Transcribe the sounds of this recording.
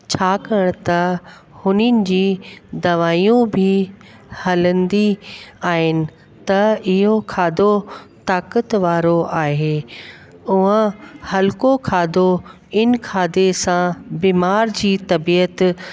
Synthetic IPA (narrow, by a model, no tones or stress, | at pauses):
t͡ɕʰaːkɐɽ̃t̪ɐ | hʊnənɪ̆d͡ʑiːd̪ɐʋaːijũbʱɪ | hɐlə̃nd̪iaːɦɪnɪ̆ | t̪ɐɪɦokʰaːd̪ot̪aːkət̪ʋaːɾoʔaːɦeː | ʊɦə̃hɐlɪkokʰaːd̪o | ɪnkʰaːd̪esãbiːmaːɾd͡ʑiːt̪ɐbiːət̪